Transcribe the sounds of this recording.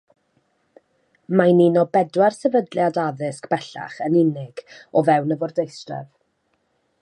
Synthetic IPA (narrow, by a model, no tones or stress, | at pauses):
majninɔbɛdwarsɛvədljadaðɪskb̥ɛɬa̰χənɪnɪɡ̥ɔvɛwnəvɔrdejstrɛ̰v